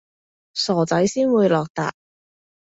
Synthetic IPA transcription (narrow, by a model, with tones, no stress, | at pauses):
sɔː˨˩t͡sɐ˨˥jsiː˥nwuː˨˧jlɔː˨k̚t̪a̰ː˨k̚